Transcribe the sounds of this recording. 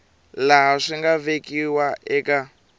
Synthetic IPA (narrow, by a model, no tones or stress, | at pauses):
laɦaʂiŋɡavekiwaɛka